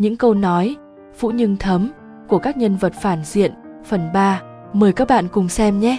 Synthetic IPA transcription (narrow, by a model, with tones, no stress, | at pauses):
ɲɨ̰˧˥ŋkə˧wnɔ˨˦j | fṵ˧˥ɲɨ˧ŋt̪ʰə˨˦m | ku˧˩əkaː˦˥k̚ɲə˧nvə˨˩t̚faː˧˩nzḭ˧˨ənfə˨˩nɓaː˧ | məː˨˩jkaː˦˥k̚ɓa̰ː˧˨nkʊ˨˩ŋ͡msɛ˧mɲɛ˦˥